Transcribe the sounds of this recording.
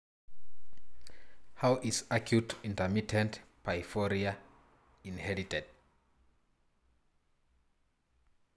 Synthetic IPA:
hawʔizakʰjutĩntəmitʰɛ̃ntpʰaɪfɔɹia | ĩnhɛɹitʰɛd̥

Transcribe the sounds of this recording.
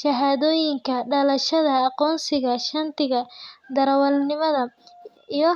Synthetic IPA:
ʃɐɦaːðɔːjɪŋkʰɐɖɐlɐʃɐðɐːqɔːnsɪɣɐʃɐnt̪ʰɪɣɐd̪ɐɾɐwɐlnɪmɐðɐ | ijɔ

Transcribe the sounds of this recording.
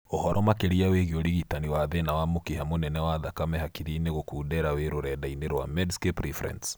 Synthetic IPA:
ohɔɾʔɔmakeɾiaweɣioɾiɣitaniwaðenawamokiɦamonɛnɛwaðakamɛhakiɾiːneɣokuːdɛɾaweɾoɾɛdaineɾwa̰mɛdskepɾifɾɛ̰ns

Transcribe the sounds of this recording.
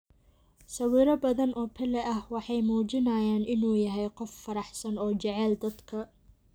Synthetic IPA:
sɐwiːɾɐbɐðɐnʔɔːpʰɪlɛʔɐhwɑħɑjmuːt͡ʃɪnɐjaːnɪnuːjɐɦɛjqɔfːɐɾɑħsɐnɔːt͡ʃɛʕɛld̪ɐd̪kʰɐ

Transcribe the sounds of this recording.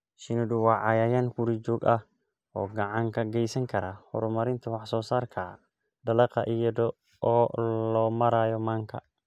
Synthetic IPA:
ʃɪnʊdʊwɑʕɑjaːjɐnkuɾid͡ʒɔːɡɐh | ɔːɡɐʕaŋkʰɐɡɛjsɐŋkʰɐɾahɔ̰ɾʊmɐɾɪnt̪ʰɐwɑħsɔːsaːɾkʰa | d̪ɐlɐqɑʔijɔd̪ɔ | ɔːlɔːmɐɾaːjɔmaːŋkʰɐ̰

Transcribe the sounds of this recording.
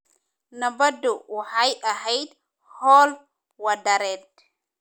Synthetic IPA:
nɐbɐd̪ɔwaħajʔɐɦɛjd̪ | hɔl | wɐd̪ɐɾɛd̪̚

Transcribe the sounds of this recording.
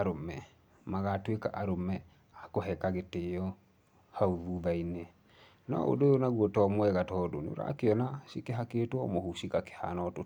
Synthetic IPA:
aɾomɛ | maɣatweka̰ʔaɾomɛ | akoɦɛkaɣeteɔ | hauβuβaine | nɔ̰o̰dojonaɣuɔtɔmwɛɣatɔdo̰nḛo̰ɾa̰ːkeɔnasikeɦakeːtwɔmohusiɣake̥ha̰nɔto

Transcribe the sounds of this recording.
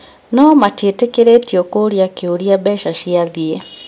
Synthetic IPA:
nɔmatetekeɾetiɔkoɾiakeoɾiabɛʃaʃiaðie

